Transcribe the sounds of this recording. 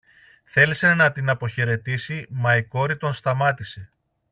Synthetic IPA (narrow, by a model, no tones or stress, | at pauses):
θe̞lise̞nɐt̪inɐpo̞çe̞ɾe̞t̪isimɐiko̞ɾit̪o̞nst̪ɐmɐt̪ise̞